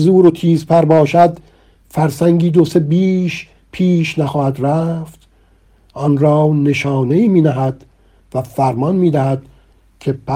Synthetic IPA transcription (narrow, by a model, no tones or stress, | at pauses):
zuːɾot̪ʰiːzpʰæɾbɒːʃæd̪ | fæɾsæŋɟiːd̪o̞se̞biːʃ | pʰiːʃnæxɒːhæd̪ɾæft̪ | ʔɒnɾɒːne̞ʃɒːne̞iːmiːd̪æɦæd̪̥ | væfæɾmɒnmiːd̪æhæd̪̥ | cʲʰe̞pʰæ